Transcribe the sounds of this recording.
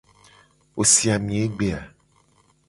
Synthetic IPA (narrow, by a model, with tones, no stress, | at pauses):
wo˨si˨a˨mĩ˨e˦ɡ͡be˨a˨